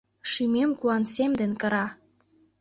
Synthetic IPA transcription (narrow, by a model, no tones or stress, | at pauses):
ʃimemkuɑnsemd̪enkɤ̆ɾɑ